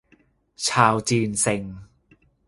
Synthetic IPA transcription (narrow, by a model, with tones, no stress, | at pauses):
t͡ɕʰaː˧wt͡ɕiː˧nse˧˩ŋ